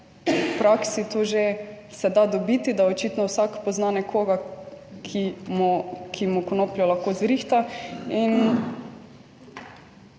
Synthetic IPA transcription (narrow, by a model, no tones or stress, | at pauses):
pɾaksit̪oʒe | sɛd̪ad̪ɔbit̪id̪aot͡ʃit̪nɔwsakpɔznanɛkʰoːɡakʰimɔkʰimukonoːpljɔlaxkoːzɾixt̪ain